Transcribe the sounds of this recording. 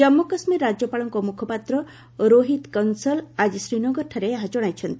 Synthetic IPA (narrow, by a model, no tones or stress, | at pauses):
ɔmːokɔsmiɾːad͡ʒjɔpaɭɔŋkɔmukʰɔpat̪ɾɔ | ɾoɦit̪kɔnsɔlad͡ʒisɾinɔɡɔɾʈʰɔɾeɦãd͡ʒɔɽ̃ajt͡ʃʰʌnt̪i̥